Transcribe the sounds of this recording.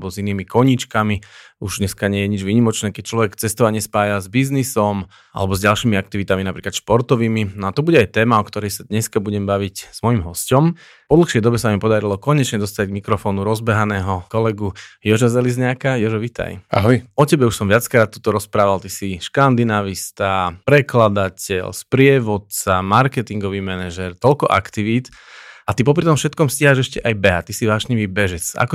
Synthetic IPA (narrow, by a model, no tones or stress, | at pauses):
bɔziniːmikɔɲit͡ʃkami | uʒɲɛskaɲɪɛjɛɲid͡ʒʋiːɲimɔt͡ʃnɛːkɛc̚t͡ʃlɔʋɛkt͡sɛst̪ɔʋaɲɪɛspaːjazbiznisɔm | ʔa̰lɛbɔzɟalʃiːmiak̚t̪iʋit̪aminapɾiklat̪ʃpɔɾt̪ɔʋiːminɔat̪ɔbuɟɛajt̪ɛːmaɔkt̪ɔɾɛjsad̪ɲɛskabuɟɛmbaʋicz̥mɔjimɦɔscɔm | pɔd̪l̩xʃɪɛjd̪ɔbɛsamipɔd̪aɾilɔkɔɲɛt͡ʃɲɛd̪ɔst̪aɟɡmikɾɔfɔːnuɾɔzbɛɦanɛːɦɔkɔlɛɡujɔʒazɛlizɲakajɔʒɔʋit̪a̰jaɦɔjɔcɛbɛuʃsɔmʋɪat͡skɾaːt̪ːuːt̪ɔɾɔspɾaːʋalt̪isiʃkand̪inaʋist̪apɾɛklad̪acɛ̰lspɾɪɛʋɔt̪t͡samaɾkɛt̪iŋɡɔʋiːmɛnɛʒɛɾt̪ɔlkɔʔa̰kt̪iʋiːt̪ | at̪ip̬ɔp̬ɾit̪ɔmfʃɛt̪̚kɔmsciɦaʒɛʃcɛʔajbɛɦat̪isiʋaːʃɲiʋiːbɛʒɛt͡sa̰kɔ